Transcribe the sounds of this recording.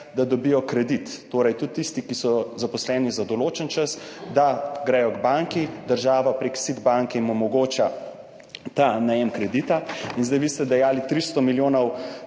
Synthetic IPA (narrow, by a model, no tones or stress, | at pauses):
d̪ad̪ɔbijɔkɾɛd̪it̪ːoːɾɛjt̪ut̪ːist̪ikisɔzapɔslɛːnizad̪ɔloːt͡ʃənt͡ʃəsd̪aɡɾɛjɔɡbaŋkid̪əɾʒaːʋapɾeksid̪baŋkɛimɔmɔɡoːt͡ʃa | t̪anajɛmkɾɛd̪it̪ainzd̪ajʋist̪ɛd̪ɛjaːlit̪ɾist̪ɔmiljoːnɔw